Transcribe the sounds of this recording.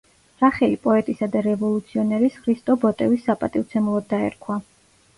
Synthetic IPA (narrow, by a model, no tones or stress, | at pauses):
ɾaχɛlipʼɔɛt̪ʼisad̪aɾɛvɔlˠut̪sʰiɔnɛɾisχɾist̪ʼɔbɔt̪ʼɛvisːapʼat̪ʼivt̪sʰɛmulˠɔd̪̚ːaɛ̰ɾkʰwa